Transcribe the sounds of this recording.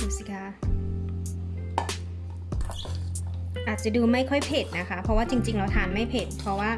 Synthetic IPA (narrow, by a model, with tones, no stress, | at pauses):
duː˧˩si˧˩kʰa˦˧˥ | ʔaː˨˩t̪̚t͡ɕa˨˩duː˧ma˥˩jkʰɔ˥˩jpʰe˨˩t̪̚na˦˥kʰa˦˥pʰɔ˧waː˥˩t͡ɕi˧ŋt͡ɕi˧ŋlɛː˧˥wt̪ʰaː˨˩˦nma˥˩jpʰe˨˩t̪̚pʰɔ˧˥waː˥˩